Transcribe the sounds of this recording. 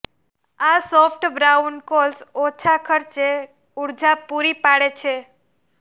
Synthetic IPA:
asɔpʰʈbɾankolsɔt͡ʃʰakʰəɾt͡ʃe | uɾd͡ʒapuɾipaɽet͡ʃʰe

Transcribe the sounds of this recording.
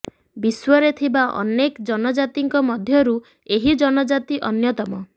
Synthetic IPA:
biswɔɾet̪ʰibaʔɔ̰nekd͡ʒɔnɔd͡ʒat̪iŋkɔmɔd̪ʱjɔɾu | eɦid͡ʒɔnɔd͡ʒat̪iʔɔnjɔt̪ɔmɔ

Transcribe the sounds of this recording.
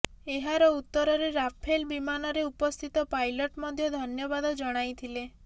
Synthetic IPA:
eɦaɾɔut̪ːɔɾɔɾeɾapʰelbimanɔɾeupɔst̪ʰit̪ɔpajlɔʈmɔd̪ʱjɔd̪ʱɔnjɔbad̪ɔd͡ʒɔɽ̃ajt̪ʰile

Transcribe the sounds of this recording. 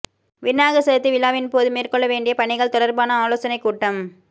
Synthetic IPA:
ʋɪnːaːɣɐsɐðɐt̪ːiʋɪlːaːʋɪnpoːðɯmeːrkɔɭːɐʋeːɳɖɪjɐpɐɳɪɣɐɭt̪ɔɽɐɾbaːnɐaːloːsɐnɐɪkːuːʈːɐm

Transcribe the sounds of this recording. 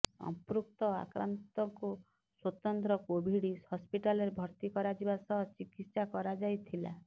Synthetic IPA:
ɔ̰pɾuk̚t̪ɔa̰kɾa̰nt̪ɔŋku | swɔt̪ɔnt̪ɾɔkobʱiɽihɔspiʈaleɾebʱɔɾt̪ikɔɾad͡ʒibasɔɦɔt͡ʃikit̪sakɔɾad͡ʒajt̪ʰila̰

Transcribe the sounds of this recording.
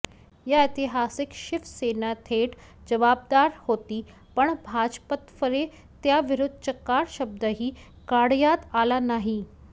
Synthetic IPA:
jaɪt̪iɦasɪkʃɪfsenat̪ʰeʈʰd͡ʑəʋaːb̚d̪aɾhot̪iː | pəɳbʱad͡ʑpət̪fəɾe | t̪jaʋɪɾʊd̪ʱt͡ɕəkaɾʃəb̚d̪əɦiː | kaɽjat̪alanaɦi

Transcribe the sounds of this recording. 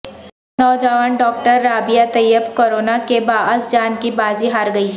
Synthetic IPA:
nɔːd͡ʒaːʋənɖɔːk̚ʈəɾːaːbɪjat̪ɐjəbkoːɾoːnakebaːəsd͡ʒaːnkibaːziɦaːɾɡɐiː

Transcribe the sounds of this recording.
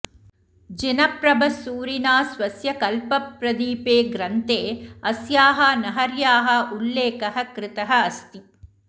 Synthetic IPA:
d͡ʒinɐpɾɐbʱɐsuːɾinaːsʋɐsjɐkɐlpɐpɾɐd̪iːpeːɡɾɐnt̪eːɐsjaːɦɐnɐɦɐɾjaːɦɐulːeːkɐɦɐkɾɪt̪ɐɦɐɐst̪i

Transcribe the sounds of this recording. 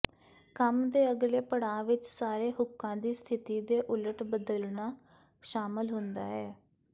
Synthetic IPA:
kəmd̪eːəɡleːpəɽãːʋɪt͡ʃsaːɾeːɦʊkːãːd̪iːst̪ʰɪt̪iːd̪eːʔʊləʈbəd̪əlnaː | ʃaːmɪlɦʊnd̪a̰ːɦɛː

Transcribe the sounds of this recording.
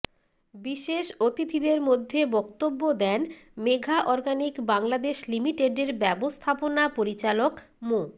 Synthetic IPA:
biʃeʃot̪it̪ʰid̪eɾmod̪ʱːebɔk̚t̪obːod̪ɛnmeɡʱaʔɔɾɡanikbaŋlad̪eʃlimiʈeɖeɾbɛbost̪ʰaponapoɾit͡ɕalok | mo

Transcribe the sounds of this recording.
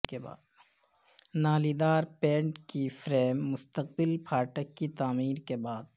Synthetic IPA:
keba̰ːd̪ | naːlid̪aːɾpẽːɳʈkifɾeːmːʊst̪əq̚bɪlpʰaːʈəkːit̪aːmiːɾkebaːd̪

